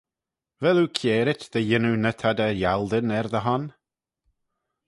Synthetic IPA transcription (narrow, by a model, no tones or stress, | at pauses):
vɛlukʰjeːɾɪtðəjɪnunət̪ʰad̪əjalˠd̪ənɛɾðəɦɔn